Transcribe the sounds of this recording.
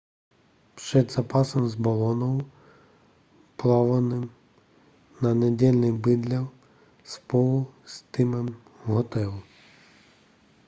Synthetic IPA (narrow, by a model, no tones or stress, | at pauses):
pʃɛd̪zɐpɑsɔmzbɔlˠɔnɔwʊ | plˠɑʋɐnɪm | nɐnedʲɛlʲnɪbɪd̪lʲɐw | spɔlˠʊst̪ɪmɛm | ɦɔt̪ɛlˠʊ